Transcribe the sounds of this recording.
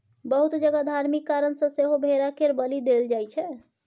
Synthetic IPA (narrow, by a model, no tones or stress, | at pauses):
bəɦut̪d͡ʒəɡad̪ʱaɾmikːaɾənsə̃seɦobʱeɾakeɾbəlid̪eld͡ʒajt͡ʃʰɛ